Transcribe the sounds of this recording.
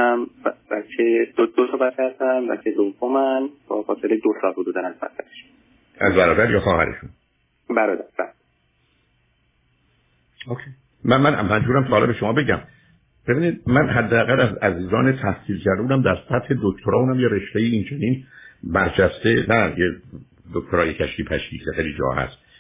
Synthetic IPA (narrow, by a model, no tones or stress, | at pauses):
mbæcʰed̪od̪osobæt̪t͡ʃæɾd̪ænbæ̰cʰed̪ovomænbɒ̰ːfɒːselejd̪osɒːlhod̪uːd̪ænæzbæ̰ɾt̪ʰæɾe̥ʃ | ʔæ̰zbæɾɒːd̪æɾjɒːxɒːhæ̰ɾḛʃun | bæɾɔd̪æɾb̥æɾ | okʰej | mænmænmænd͡ʒuːɾæmsʰɒːlḛbe̞ʃomɒːbe̞ɟæm | b̥e̞biːniːd̪̚mænɦæd̪ːeæɣælæzæziːzɒːnet̪ʰæhsiːlkʰæɾd̪uːnæmd̪æɾsæt̪he̞d̪okʰt̪ʰoɾɒːuːnæmjeɾe̞ʃt̪ejiint͡ʃʰeninbæɾt͡ʃʰæst̪e̞næje | d̪ok̚ʲt̪ʰoɾɒːjecʰæʃcipʰæʃcḭːcʰexejlid͡ʒɒ̰ːhæ̰st̪